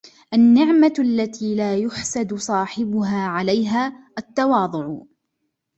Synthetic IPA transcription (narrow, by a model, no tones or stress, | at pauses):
ʔanːɪʕmaʔalːat̪iːlaːjʊħsad̪ʊsˤɑːħɪbʊɦaːʕalajɦaːʔat̪ːɑwɑːd̪ˤʊʕ